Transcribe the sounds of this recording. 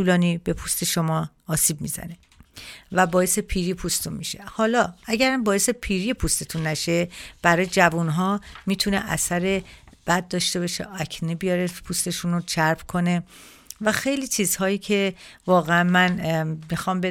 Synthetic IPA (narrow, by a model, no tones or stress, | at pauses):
t̪ʰuːlɒːniːbe̞pʰust̪ʰe̞ʃomɒːsiːb̚mḭːzæ̰ne̞ | væbɒːje̞sepʰiːɾiːpʰust̪t̪ʰunmiʃe̞̰hɒːlɒːæɟæɾæmbɒːjesepʰiːɾipʰust̪ʰet̪ʰunːæʃeb̥æɾɒːjed͡ʒævunɦɒːmiːt̪ʰune̞̰ʔæ̰sæɾe̞b̥æd̪̚d̪ɒːʃt̪e̞bɒʃḛʔɒcʰnibijɒɾepʰust̪e̞ʃunot͡ʃʰæɾpkʰo̞ne̞ | væxe̞jliːt͡ʃʰiːz̥hɒːjiːcʰe̞vɒːɣeænmænmixɒːmbe